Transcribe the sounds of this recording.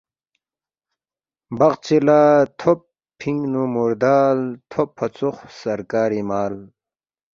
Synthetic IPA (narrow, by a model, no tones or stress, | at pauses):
bɐqt͡ɕilat̪ʰopʰː | iŋɡnumuɾd̪aːlt̪ʰopʰːɐt͡suxsɐɾkaːɾimaːl